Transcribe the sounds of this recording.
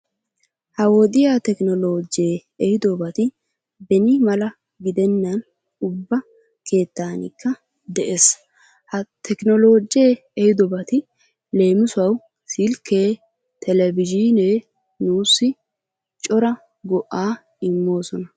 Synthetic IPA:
hɐwoːd̪ɪjaːt̪ɛknɔlo̞ːd͡ʒeːɛhɪd̪ɔbɐt̪ɪ | bɛnɪmɐlɐ | ɡɪd̪ɛnːɐn | ʊbːɐ | kʰe̞ːt̪ːaːnɪ̰kːɐ | d̪ɛʔeːs | hɐt̪ʰɛknɔlo̞ːd͡ʒeː | ɛhɪd̪ɔbɐt̪ɪ | le̞ːmɪsʊɐw | sɪlkʰːeː | t̪ʰɛlɛbɪd͡ʒineː | nuːsːɪ | t͡ʃʼɔɾɐ | ɡɔʔaː | ɪmːo̞ːsɔnɐ

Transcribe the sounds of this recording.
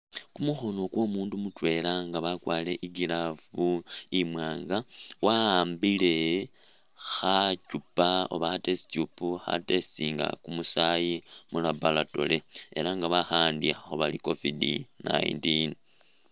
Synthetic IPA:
kumuxo̞no̞kwo̞ːmuːndumutwe̞ːlaŋɡaβakwaːle̞ʔiɡilavuimwaːŋɡawaaːmbile̞ | xacupao̞̰βaxatesi̥cupuxa̰test͡siŋɡa̰kumusajimulabalato̞̰le̞ḛlaŋɡaβaxaːndiaxo̞βaliko̞vidḭna̰jḭntin

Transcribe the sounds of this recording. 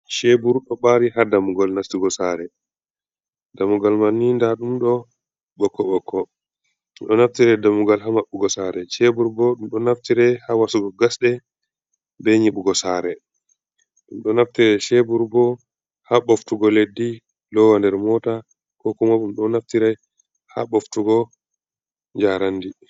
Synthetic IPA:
ʃebuɾɗɔɓaɾihadamuɡɔlnaftiɡɔsaɾɛ | damuɡalmanːindaɗumɗɔ | ɓɔkːɔɓɔkʰːɔ | ɗɔnaftiɾɛdamuɡalɦamaɓːuɡɔsaɾɛʃebuɾbɔɗumɗɔnaftiɾɛhawasuɡɔɡasɗɛ | bɛɲiɓuɡɔsaːɾɛ | ɗumɗɔnaftiɾɛʃɛbuɾbɔ | haɓoftuɡɔledːi | lɔwandɛɾmɔta | kɔkumaɓumɗɔnaftiɾɛj | ha̰ɓoftuɡɔ | ɲd͡ʒaːɾandi

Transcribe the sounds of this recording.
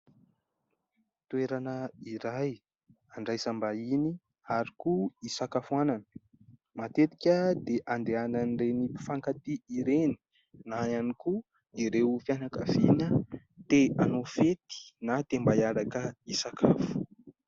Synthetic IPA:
t̪uweɾanəiɾaj | aɳɖ͡ʐajzambaini | aɾikuisakafuananə̥ | mat̪et̪i̥kʲəd̪eʔand̪eananɖ͡ʐeni̥faŋkat̪iiɾeni̥ | naaniku | iɾewfjanakəvinə | t̪eanofet̪i̥nat̪embajaɾakəisakʰafu̥

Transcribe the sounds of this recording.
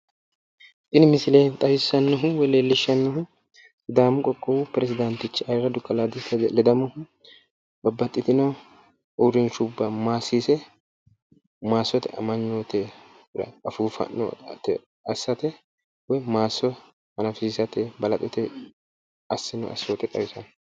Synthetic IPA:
ʔɪnmɪsɪleːnt̪ʼɐjɪsɐnːɔɦʊwɛleːlːɪʃːɐnːɔɦʊ | d̪aːmʊkʼɔkʼːɔwupɾɛsɪd̪ɐnt̪ɪt͡ʃːɪɐjɪrɐd̪ʊkʼːɐlad̪ɪlɛd̪ɐmʊhʊ | bɐbːɐt̪ʼːɪt̪ɪnɔ | ʔʊɾɪnʃʊbːɐmaːsiːsɛ | maːsːɔt̪ɛɐ̰mɐnːoːt̪ɛ | ɾɐ̰ɐfuːfɐ̰nːɔ̰t̪ɛ | ɐsːɐt̪ɛ | wɔjmaːsːɔ | mɐnɐfɪissɐt̪ɛbɐlɐt̪ʼɛt̪ɛ | ɐsːɪnɔ̰ɐ̰sːoːt̪ɛt̪ʼɐjɪsɐn

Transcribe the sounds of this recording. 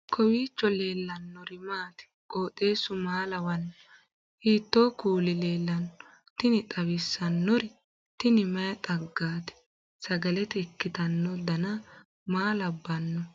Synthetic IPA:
kʰɔwiːt͡ʃːɔle̞ːlːɐnːɔɾɪmaːt̪ɪ̥kʼo̞ːt̪ʼːe̞ːsʊmaːlɐwɐnːɔ | hiːt̪ːoːkuːlɪleːlːɐnːɔ | t̪ɪnɪt̪ʼɐwɪsːɐnːɔɾɪ | t̪ɪnɪmɐjɐt̪ʼɐɡːaːt̪ɪ̥ | sɐɡɐlɛt̪ɛːkːɪt̪ɐnːɔd̪ɐnɐ | maːlɐbːɐnːɔ

